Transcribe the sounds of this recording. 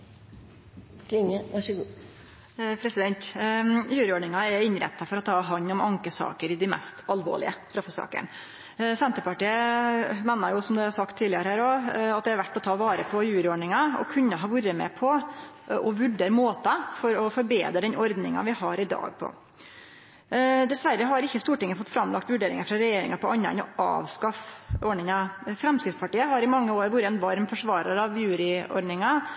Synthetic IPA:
kʰlɪŋəɑʂəɡuː | pʰɾɛsɪd̪ɛnt̪jʉːɾəɔːɖɳɪŋɑɛɪnɾɛ̰t̪ːɑfɔɾɔt̪ʰːɑːɦɑɲːɔmɑŋkəsɑ̰ːkəɾɪd̪ɪmɛ̰st̪ɑlʋo̰ːɭɪ̰əst̪ɾɑfəsɑ̰ːkə̰ɳ | sɛnt̪əpɑʈiːəmeːnɑɾjʊsɔmd̪ɛɑɾsɑkt̪ʰːiːlɪɑɾəhæːɾoɑt̪̚d̪ɛɑɾʋæʈːɔt̪ʰɑːʋɑːɾəpʰɔjʉːɾəɔɖɳɪŋɑɔ̰kʰʉnːəɦɑːʋʊɾəmɛ̰ːpʰɔ | ʔɔʋʉɖeːɾmoːt̪ɑfɔɾɔfɔɾbḛːd̪ɾəd̪ɛnɔɾd̪nɪŋɑ̰ʋɪhɑɾɪd̪ɑ̰ːɡ̚pʰɔ̰ | d̪ɛsʋæɾːəɦɑɾɪçːəst̪uːʈɪŋːəfɔt̪ːfɾɑmlɑkt̪ʋʉɖeːɾɪ̰ŋɑfɾɑɾɛjeːɾɪ̰ŋɑpɔɑnːə̰nɔɑ̰ːʋskɑfɔɳɪŋɑfɾɛmskɾɪt̪spʰɑʈiːəɦɑɾɪmɑŋːəoːɾʋʊɾəɛnʋɑɾmfɔʂʋɑːɾəɾɑʋjʉːɾɪɔ̰ɾɖ̪nɪŋɑ

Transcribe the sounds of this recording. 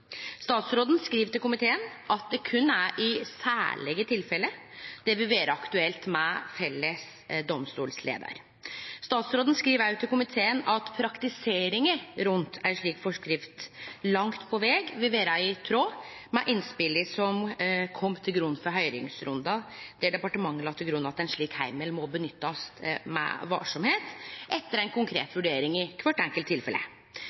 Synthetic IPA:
st̪ɑːt̪sɾoːd̪ən̩skɾiːʋt̪ɪlkʊmɪt̪ʰeːənʔɑt̪̚d̪ɛkʰʉnːæʔɪsæ̰ːɭɛɡət̪ʰɪlfɛlːə | d̪̥ɛʋɪʋeːɾəɑkt̪ʉɛlt̪mɛfɛlːəs | d̪ɔmst̪ṵːlslḛːd̪ə̰ɾ | st̪ɑːt̪sɾoːd̪n̩skɾiːʋæt̪ʰːɪlkʊmɪt̪ʰeːənɑt̪pʰɾɑkt̪ɪseːɾɪŋəɾʉnt̪ʰæʂɭiːkfɔʂkɾɪft̪lɑŋt̪pʰɔʋɛɡʋɛʋeːɾæɪt̪ʰɾoː | mɛʔɪnspɪlɪsɔmkʰɔmːt̪ʰɪlɡɾʉnːfɔɾɦœʏɾɪ̰ŋsɾʊnd̪ɑd̪̥ɛɖɛpɑʈəmɑŋːəlɑːt̪ʰːɪlɡɾʉnːɑt̪ɛɪnʂɭiːkhæɪməlmɔbənʏt̪ːɑsmɛ̰ʋɑ̰ːʂɔmheːt̪ʔɛt̪ːəɾæɪnkʰʊŋkʰɾḛːt̪ʋʉɖeːɾɪŋɪkʰʋɑʈːɛŋkəlt̪ʰːɪlfɛlə̰

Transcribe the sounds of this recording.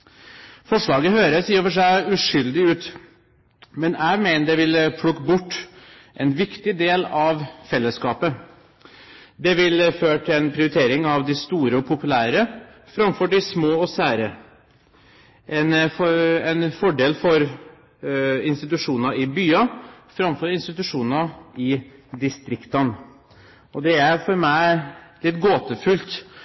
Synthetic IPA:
fɔʂɭɑːɡəhøːɾəsiːofəʂæɪʉʂʏld̪ɪʉːt̪ | mɛnæɪmæɪnəɖ̪ɛʋɪlpʰlʊkːbʊʈː | ʔɛnʋɪkt̪ɪd̪eːlɑʋfɛlːəskɑːpə | d̪ɛʋɪlføːʈʰɛnpʰɾɪʊɾɪt̪ʰeːɾɪŋɑʋd̪ɪst̪uːɾəɔpʰʊpʉlæːɾə | fɾɑmfɔɖɪsmoːɔsæːɾə | ʔɛnfɛnfɔɖeːlfɔɾ | ɪnst̪ɪt̪ʉʂuːnɑɾɪbyːɑfɾɑmfɔɾɪnst̪ɪt̪ʉʂuːnɑɪd̪ɪst̪ɾɪkt̪ɑn | ɔd̪ɛæɾfɔɾmæɪlɪt̪ːɡoːt̪əfʉlt̪

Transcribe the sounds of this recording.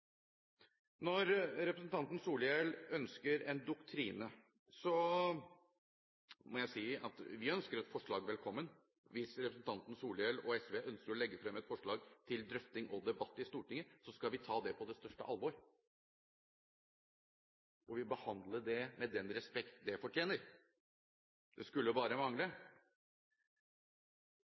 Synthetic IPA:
nɔɾɾɛpɾəsən̩t̪ʰɑnt̪n̩suːljɛlœnskəɾɛnd̪ʊkt̪ʰɾiːnə | sɔ | mɔjæɪsiːɑt̪ʋɪœnskəɾɛt̪fɔʂɭɑːɡʋɛlkʰɔmːən | ʋɪsɾɛpɾəsn̩t̪ʰɑnt̪n̩suːlɛlɔɛsʋeːʔœnskəɾɔlɛɡːəfɾɛmːɛt̪fɔʂɭɑːɡt̪ʰɪld̪ɾʏft̪ɪŋʔɔd̪ɛbɑt̪ːɪst̪uːʈɪŋːəsɔskɑlʋɪt̪ʰɑːd̪ɛpʰɔd̪ɛst̪œʂʈə̰ʔɑlʋɔɾ | ɔʋɪbəhɑnd̪ləɖɛmɛd̪ɛnɾɛspɛkt̪d̪ɛfɔʈʰjeːnəɾ | d̪ɛskʉlːəbɑːɾəmɑŋlə

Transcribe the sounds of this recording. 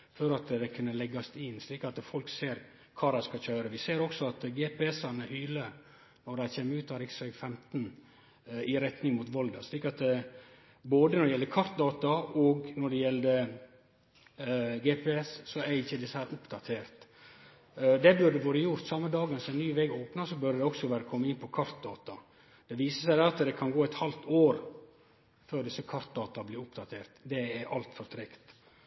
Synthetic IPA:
fɔɾɑt̪d̪ɛkʰʉnːəlɛɡːɑst̪ɪnʂliːkɑt̪fɔlkseːɾ | kʰɑːd̪æɪskɑçøːɾəʋɪseːɾɔksɔɑt̪ɡɛːpɛɛsɑnəhyːlə | nɔɖ̪æɪçeːmːəɾʉːt̪ɔhɑɾɪksœɡfɛmt̪n | ɪɾɛt̪nɪŋmuːt̪ʋɔld̪ɑsɭiːkɑt̪̚d̪ɛ | boːd̪ənɔɖɛjɛləkʰɑɾt̪̚d̪ɑːt̪ɑɔɡnɔɖɛjɛld̪ə | ɡeːpʰɛɛssɔɛɾɪçːəd̪ɪsːəhæːɾʊpd̪ɑt̪ʰeːɾt̪ | d̪ɛbʉɾd̪ɛʋøːɾəjʊɾt̪sɑmːəd̪ɑːɡənsɔmɛnnyːʋɛːɡoːpnɑsɔbœɾd̪ɛɔksɔʋæːɾəkʰɔmːəɪnpʰɔkʰɑɾt̪̚d̪ɑːt̪ɑ | d̪̥ɛʋiːsəsæɪd̪ɛɾɑt̪d̪ɛkʰɑnɡoːɛt̪hɑlt̪oːɾ | føːɾɖ̪ɪsːəkʰɑɾt̪̚d̪ɑːt̪ɑbliːɾʊpd̪ɑt̪ʰeːɾt̪d̪ɛɛɾʔɑ̰lt̪fɔɾt̪ʰɾɛkt̪

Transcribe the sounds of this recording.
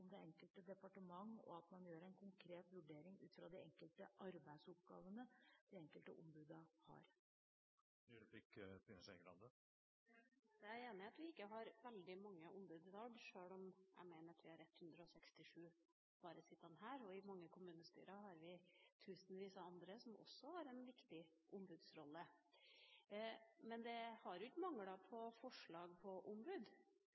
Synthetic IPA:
ɔmd̪ɛɛŋkəlt̪əd̪ɛpɑʈəmɑŋːɔ̰ɑt̪mɑnjøːɾɛɪnkʰʊŋkʰɾeːt̪ʋʉɖeːɾɪŋʉːt̪fɾɑd̪ɪɛŋkəlt̪əʔɑɾbæɪd̪sʊp̚ɡɑ̰ːʋənəd̪̥ɪɛŋkəlt̪əʔʊmbʉːd̪ɑhɑ̰ɾ | ɔɖfɪkːfɪnəsɛɡlɑ̰nd̪ə | d̪ɛæeːnɪɑt̪ʋɪɪkːəɦɑɾʋɛld̪ɪmɑŋːəʔʊmbʉːd̪t̪ʰɑːlʂøːɭɔmʔæ̰ɪmeɪnəɾɑt̪ʋɪhɑɾɛt̪ːhʉnd̪ɾəɔsɛkst̪ɪʂʉː | bɑːɾəsɪt̪ːɑnɦæːɾɔɪmɑŋːəkʰʊmʉːnəst̪y̰ːɾɑɦɑɾʋɪt̪ʰʉːsənʋiːsɑɑnd̪ɾəsɔmʔɔ̰sːɔhɑɾɛnʋɪkt̪ɪ | ʔʊmbʉd̪sɾɔlːə | mɛnd̪ɛhɑɾjʊɪk̪ːmɑŋːəɽɑpʰɔfɔʂɭɑːɡpʰɔʔʊmbʉd̪

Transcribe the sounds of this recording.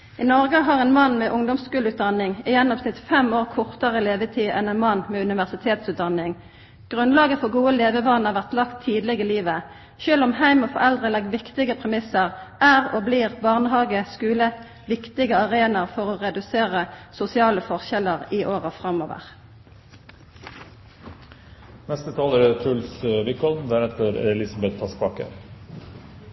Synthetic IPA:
ɪnɔʁɡəɦɑʁɛːnmɑnːmɛːʔʊŋd̪ʊmskʉːləʉːt̪̚d̪ɑnɪŋɪjɛnːɔbsnɪt̪fɛmoːʁkʰɔʁt̪əʁəleːʋət̪ʰiːʔɛnɛnmɑnːmɛːʉnɪʋæʁsɪt̪ʰeːt̪sʉːt̪̚d̪ɑnɪŋ | ɡ̥ʁʉnlɑːɡəfɔʁɡuːəleːʋəʋɑnəʁʋæʁt̪lɑkt̪ʰːiːd̪lɪɡəliːʋə | ʃøːlʊmhæɪmɔfɔʁɛld̪ʁəlɛɡ̪̚ʋɪkt̪ɪɡəpʰʁɛmɪsəʁʔæʁɔbliːʁbɑʁnəɦɑːɡəskʉːlə | ʋɪkt̪ɪɡəɑʁeːnɑʁfɔʁoːʁɛd̪ʉseːʁəsʊsɪɑːləfɔʁçɛləʁiːʔoːʁəfʁɑmo̰ːʋə̰ʁ | nɛst̪ət̪ʰɑːləɾət̪ʰʉlsʋɪkʰɔld̪æɾɛt̪əɾɛ̰ɛlɪsɑbɛt̪ʰːɑːspɑːkə̰

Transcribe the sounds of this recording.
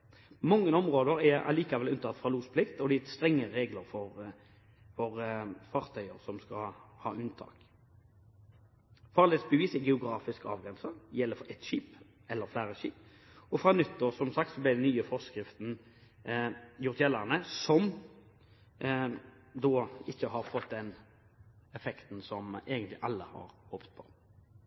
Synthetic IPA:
mɑŋːənɔmʁoːd̪əɾɛɑ̰liːkɑʋɛlʉnət̪ɑt̪ːfʁɑluːspʰlɪkt̪ɔd̪ɛst̪ɾɛŋːəʁeːɡləɾfɔʁ | fɔɾfɑːʁt̪ʰœʏəɾsɔmskɑ̰hɑ̰ːʔʉnt̪ʰɑ̰ːk | fɑːlɪsbəʋiːsɛɡɛʊɡɾɑːfɪskɑ̰ːʋɡʁɛnsəjɛlːəfɔʔɛt̪ʃiːp | ɛlːəɾflæːʁəʃiːp | ɔfɾɑnʉt̪ːəɾsɔmsɑkt̪sɔblɪd̪ɛnnyːəfɔskɾɪft̪n̩ | jʊʁt̪jɛlːəʁnəsɔm | d̪ɔːɪçːəɦɑɾfɔt̪d̪ɛn | ɛfɛkt̪n̩sɔmeːɡənt̪lɪʔɑlːəhɑ̰ːɾhɔːpt̪̚pʰɔ̥

